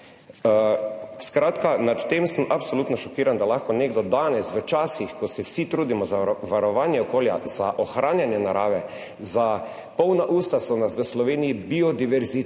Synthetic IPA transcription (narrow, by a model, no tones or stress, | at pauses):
skɾaːt̪kanat̪ːemsəmʔapsoluːt̪nɔʃɔkiːɾand̪alaxkɔneɡd̪ɔd̪anɛsʋət͡ʃaːsixkɔsɛwsit̪ɾuːd̪imɔzaʋaɾɔʋaːnjɛɔkoːlja̰z̥aʔɔxɾaːnjanjɛnaɾaːʋɛ | za | pɔwnaʔuːst̪asɔnasʋəslɔʋeːnijibiɔd̪iʋɛɾzi